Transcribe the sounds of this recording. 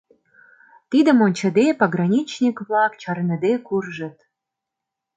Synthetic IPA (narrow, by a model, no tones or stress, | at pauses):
t̪id̪ə̆monʲt͡ɕə̆d̪epɑɣrɑnʲit͡ɕnʲikβlɑkt͡ɕɑrnə̆d̪ekurʒə̆t̪